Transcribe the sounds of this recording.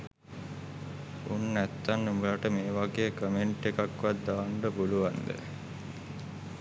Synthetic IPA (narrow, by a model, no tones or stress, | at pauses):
unːæt̪ːanːumulaʈəmeːʋaɡeːkəmeɳʈekakʋat̪d̪ːaːɳɖəbuluʋand̪ə̰